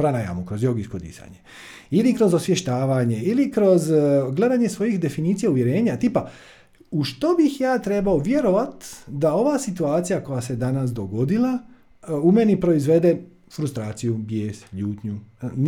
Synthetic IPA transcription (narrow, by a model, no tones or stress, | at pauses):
pɾanaja̰mukɾo̞zjoɡiskod̪ḭsa̰ɲe | ilikɾo̞zosʋje̞ʃt̪aːʋaɲe̞ilikɾo̞zɡle̞d̪aɲe̞sʋo̞jixd̪e̞finiːt̪ijauʋjeɾe̞ːɲat̪iːpa | uʃt̪o̞bixjaːt̪ɾe̞baoʋje̞ɾo̞ʋat̪d̪ao̞ʋasit̪uaːt̪sijako̞jase̞d̪anas̬d̪o̞ɡo̞d̪ilˠa | ume̞nipɾo̞izʋe̞d̪e̞ | fɾust̪ɾaːt̪sijubjeːsʎuːt̪ɲun